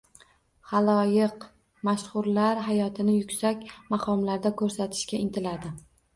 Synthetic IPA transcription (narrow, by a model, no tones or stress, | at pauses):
χalˠɒjɪq | maʃχʊɾlaɾɦajɒt̪ʰɪnɪjʊkʲsakʲmaqʰɒmlaɾd̪akʰɵɾsat̪ʰɪ̥ʃkʲaɪnt̪ʰɪlad̪ɪ